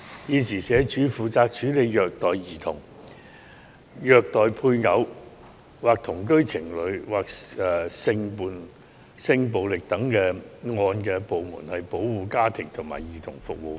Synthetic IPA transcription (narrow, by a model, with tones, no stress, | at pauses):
jiː˨˧sʰiː˨˩sɛː˨˧t͡ʃyː˨˥fuː˨t͡saː˧k̚t͡ʃyː˨˥le˨˧jjœː˨k̚t̪ɔː˨jjiː˨˩t̪ʰʊ˨˩ŋ | jœː˨k̚t̪ɔː˨jpʰuː˧jŋɐ˨˥w | waː˨˩k̚t̪ʰʊ˨˩ŋkɵ˥ɥt͡sʰɪ˨˩ŋlɵ˨˧ɥwaː˨k̚ːsɪ˧ŋpuː˨˩n | sɪ˧ŋp̬o˨wlɪ˨k̚t̪ɐ˨˥ŋkɛː˧ŋɔː˧nkɛː˧po˨wmṵː˨˩nhɐ˨jpo˨˥wwuː˨˧kaː˥t̪ʰɪ˨˩ŋt̪ʰʊ˨˩ŋma̰ː˨˩jjiː˨˩t̪ʰʊ̰˨˩ŋfʊ˨k̚wu˨˧